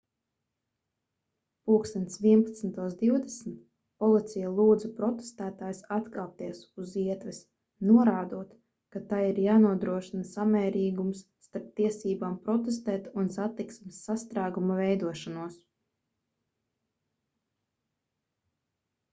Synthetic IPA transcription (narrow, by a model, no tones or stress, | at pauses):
puːksɛnsviɛnpat̪snt̪uɔsd̪iwd̪ɛsnt̪̚ | pɔlˠit̪sʲijalˠuːd̪zupɾɔt̪e̥st̪æːt̪aːjsat̪kaːp̚t̪iɛsuziɛt̪ʋɛs | nuɔɾaːd̪uɔt̪ | kat̪ajiɾjaːnuɔd̪ɾuɔʃinasamɛːɾiːɡumsːt̪aɾp̚t̪iɛsiːbaːmpɾɔt̪est̪ɛːt̪unsat̪iksmisːast̪ɾaːɡumavɛjd̪uɔʃanuɔs